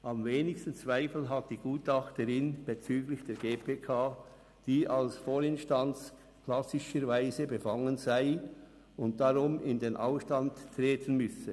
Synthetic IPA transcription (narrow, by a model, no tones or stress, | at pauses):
ʔamveːnɪçstn̩t͡sv̥aɪfl̩ɦat̚d̥iːɡ̥uːtɑχtəɾɪnb̥et͡syːɡlɪçd̥eːɾɡeːpʰeːkʰaː | d̥iːʔalsfoːɾɪnʃtant͡s | kʰl̥asɪʃəɾvaɪzəbəfaŋənzaɪ | ʊnt̚d̥aʁʊmɪndeːnʔaʊfʃtanttːʁeːtʰənmʏsə